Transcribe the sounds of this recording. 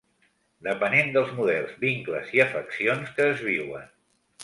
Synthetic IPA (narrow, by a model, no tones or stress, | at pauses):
d̪əpənend̪əlˠzmuðɛlˠzβiŋklə̰ziəfəksionskəːzβ̞iwə̰n